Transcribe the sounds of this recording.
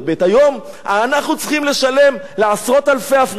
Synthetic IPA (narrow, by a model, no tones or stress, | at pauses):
betajo̞m | anaχnut͡sχimle̞ʃale̞m | le̞asʁo̞t̪alfeafʁ